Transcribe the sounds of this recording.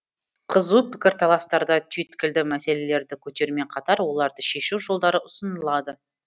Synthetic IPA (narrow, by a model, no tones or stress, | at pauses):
qʰəzupʰɪ̥kʲɪɾt̪ʰɑlˠɑst̪ɑɾd̪ɑt̪ʰʏjt̪kʲɪld̪ɪmæse̞le̞le̞ɾd̪ɪkʲʰɵt̪e̞ɾme̞ɴqʰɑt̪ɑɾwo̞lˠɑɾd̪əʃe̞ʃuwʒo̞lˠd̪ɑɾəʔʊsənəlˠɑd̪ə